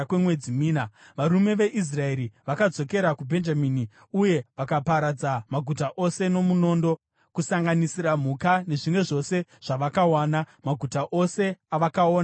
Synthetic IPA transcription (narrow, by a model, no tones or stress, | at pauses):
wemwed͡zimiːnaʋaɾume̞ʋe̞ʔis̬rae̞ɾiʋakad͡zo̞ke̞ɾakubʱe̞nd͡ʒamiːni | uje̞ʋakapaɾad͡zamaɡʱutaʔo̞se̞no̞muno̞ːndo̞ | kusaŋɡanisiɾam̤ukane̞ʐimwe̞ʐo̞se̞ʐ̥aʋakawaːnamaɡʱutaʔo̞se̞aʋakaoːna